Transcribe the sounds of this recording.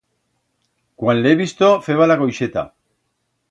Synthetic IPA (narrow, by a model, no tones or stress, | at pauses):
kwanleβist̪ofe̞βalaɣojʃe̞t̪a̰